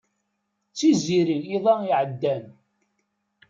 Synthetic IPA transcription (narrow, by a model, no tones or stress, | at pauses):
t͡sːiziɾiiðˤæiʕəd̪ːæm